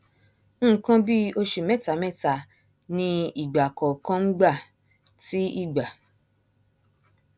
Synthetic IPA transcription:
ñ̩ː˦˨˦kã˧bi˦o˧ʃu˨mɛ˦˨ta˨˦mɛ˦˨ta˨ | nĩ˧i˨ɡ͡ba˨kɔ˨kã˦ŋ͡m̩˦ɡ͡ba˦˨ | ti˨˦i˦˨ɡ͡ba˨

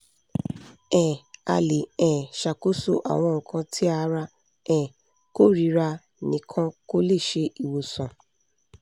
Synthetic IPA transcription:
ɛ̃˨a˧le˨ɛ˨ʃa˨ko˦so̰˦ʔa̰˨w̃ɔ̃˧ŋ̩˨kʰã˧tʰi˦a˧˦ɾa˧ | ɛ̃˨ | ko˦ɾi˨˦ɾa˧ | nĩ˨˦kʰã˦ko˦le˦˨ʃe˧ʔi˨wo˨sɔ̃˨

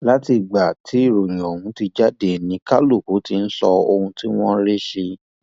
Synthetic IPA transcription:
la˦ti˧˨ɡ͡ba˨tʰi˨˦i˦˨ɾo˨j̃ɔ̃˨hũ˨˦ti˧d͡ʒa˦de˨nĩ˧˦ka˦lo˦˨ko˨˦ti˧n̩˦sɔ˧o˧hũ˧ti˦w̃ɔ̃˦ɾe˦ʃe˧

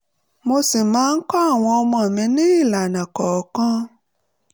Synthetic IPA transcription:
mo˧si˨mãː˨˦n̩˦kɔ˦a˦˨w̃ɔ̃˧ɔ˧mɔ̃˨mĩ˧nĩ˦i˦˨la˨nã˨kɔ˨kã˦

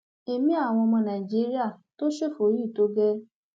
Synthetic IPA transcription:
e˨mĩ˦a˦˨w̃ɔ̃˧mɔ̃˧nã˨i˨d͡ʒi˨˦ɾi˦a˦˨to˦ʃe˦˨fo˨˦ji˦˨to˨˦ɡɛ˦

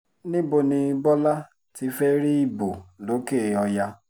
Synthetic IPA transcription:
nĩ˦bo˧nĩ˧bɔ˦la˦ | ti˧fɛ˦ɾi˦i˦˨bo˨lo˨˦ke˦˨ɔ˧ja˧

